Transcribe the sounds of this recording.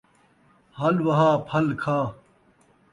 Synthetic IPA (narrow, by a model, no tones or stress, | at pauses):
hɐlwɐɦaːpʰɐlkʰaː